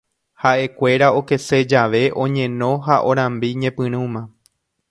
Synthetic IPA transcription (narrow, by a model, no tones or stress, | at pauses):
haʔe̞kʷe̞ɾao̞ke̞se̞d͡ʒaʋe̞ʔõ̞ɲẽ̞nõ̞ɦaʔoɾ̃ãmbiɲẽ̞pɨ̃ɾ̃ũmã